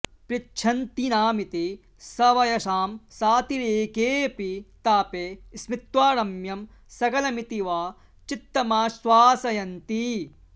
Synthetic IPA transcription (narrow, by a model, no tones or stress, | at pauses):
pɾitːt͡ʃʃʰɐnt̪inaːmit̪i | sɐʋɐjɐʃaːmsaːt̪iɾeːkeːpit̪aːpeːsmit̪waːɾɐmjɐm | sɐkɐlɐmit̪iʋaː | t͡ʃit̪ːɐmaːsʋaːsɐjɐnt̪i